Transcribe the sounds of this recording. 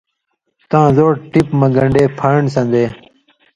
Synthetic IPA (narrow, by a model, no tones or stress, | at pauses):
t̪ãːzoːʈʈipmɐ̃ɡɐ̃ɳɖeːpʰaːɳsɐ̃nd̪eː